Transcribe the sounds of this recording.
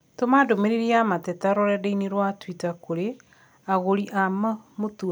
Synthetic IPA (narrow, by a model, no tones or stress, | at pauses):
tomadomeɾeɾiamatɛtaɾɔɾɛdeineɾwatwitakoɾe | aɣoɾiʔamamotua